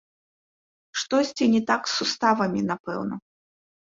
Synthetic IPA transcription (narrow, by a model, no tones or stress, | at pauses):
ʂt̪ɔsʲt͡sʲinʲɛt̪aksːust̪avɐmʲinapɛ̰wnɐ̰